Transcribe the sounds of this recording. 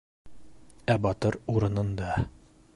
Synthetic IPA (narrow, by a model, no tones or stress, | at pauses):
æbɒt̪ɤɾuɾɤ̆nɤ̆nd̪ɑ